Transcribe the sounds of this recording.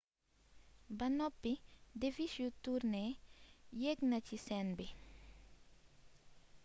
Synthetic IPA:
banɔpːid̪efiʃjut̪uɾne | jeɡnat͡ʃisɛnbi

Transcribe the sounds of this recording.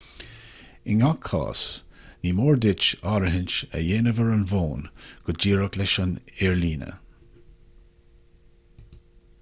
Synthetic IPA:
ɪŋakʰɑ̰ːs | niːmoːɹdɪt͡ʃɑːɾəɦɪnt͡ʃə̰jeːnəvəɹənvoːnɡ̥ʊd͡ʒiːɹəklɛʃənɛɹliːnə̰

